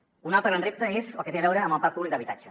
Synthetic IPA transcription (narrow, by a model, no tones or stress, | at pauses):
unalˠt̪ɾəɣɾanrep̚t̪əezəlˠket̪eβɛwɾəːməlˠpapuβlik̚d̪əβit̪at͡ʃə